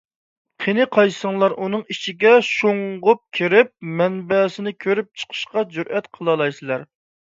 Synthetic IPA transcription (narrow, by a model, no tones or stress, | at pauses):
qʰenɪqʰɑjsəŋlˠɑɾʔunɨŋit͡ʃʰiɡʲɛʃoŋʁʊp̚kʲʰiɾɪp̚mɛnbɛːsɪnɪkʲʰøɾyp̚t͡ʃʰə̥qʰə̥ʃqɑd͡ʒyɾʔɛt̪qʰəlˠɑlˠɑjsɨlˠɑɾ